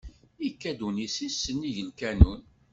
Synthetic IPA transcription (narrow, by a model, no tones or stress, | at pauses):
ikːæd̪unisisːənːiʝəlkænun